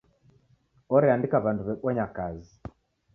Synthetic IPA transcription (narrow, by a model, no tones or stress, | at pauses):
ɔɾɛandikaβanduβɛɓwɔɲakazi